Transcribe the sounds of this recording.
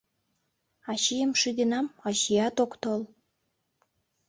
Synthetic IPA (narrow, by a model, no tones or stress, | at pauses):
ɑɕijəmʃid̪enɑmɑɕijɑt̪okt̪ol